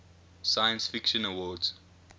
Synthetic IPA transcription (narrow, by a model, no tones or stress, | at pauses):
sajə̃nsfɪkʃə̃nəwɔːdz̥